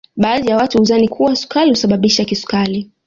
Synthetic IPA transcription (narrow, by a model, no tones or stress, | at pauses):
ɓaːðijawatuhuzanikʰuwasu̥kalihusaɓaɓiʃakisu̥kali